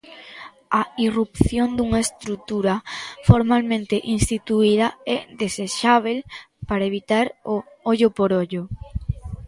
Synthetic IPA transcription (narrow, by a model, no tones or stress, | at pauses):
ɐirupθjond̪uŋaest̪ɾut̪uɾɐfoɾmalmẽnt̪eʔinst̪it̪uiðɐɛðeseʃaβ̞el | paɾaeβit̪aɾo | oʎʊpoɾoʎo